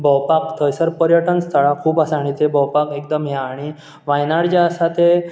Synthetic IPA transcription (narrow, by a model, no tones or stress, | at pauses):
bɔwpakt̪ʰəjsəɾpəɾjəʈənst̪ʰəɭakʰuːpasaɽ̃it͡sebɔwpakekd̪əmɦeaɽ̃i | ʋajnaɽd͡ʑaəsat̪e